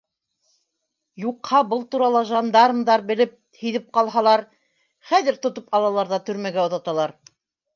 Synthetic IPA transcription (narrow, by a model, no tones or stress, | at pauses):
juqhɑbɤlˠt̪uɾɑlˠɑʒɑnd̪ɑɾɤ̆md̪ɑɾbɘ̆lɘp̚ | hɵ̆ðɘp̚qɑlˠɦɑlˠɑɾ | χæðɘɾt̪ŏt̪opɑlˠɑlˠɑɾðɑt̪ɵ̆ɾmæɡæŏðɑt̪ɑlˠɑɾ